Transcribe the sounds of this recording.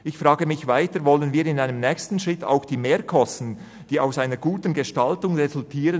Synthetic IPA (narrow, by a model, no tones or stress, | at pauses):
ʔɪçfʁaːɡəmɪçvaɪtəvɔlənviːɾɪnaɪnəmnɛːçstn̩ʃʁ̥ɪtʰa̰ʊxd̥iːmeːkʰɔstn̩ | d̥iːaʊsaɪnəɡuːtən̩ɡəʃtaltʊŋʁezʊltʰiːʁə